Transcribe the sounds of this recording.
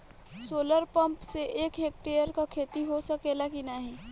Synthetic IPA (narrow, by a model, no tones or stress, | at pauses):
soːləɾpə̃mpseʔeːkɦek̚ʈejəɾkakʰeːt̪iɦosəkelakinaɦĩː